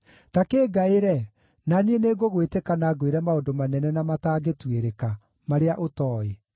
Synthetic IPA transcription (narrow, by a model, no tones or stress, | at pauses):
takeːɡaeɾɛ | nanieneːɡoɣwetekanaɡweɾɛmaondomanɛnɛnamataːɡetweɾeka | maɾeaʔotɔːe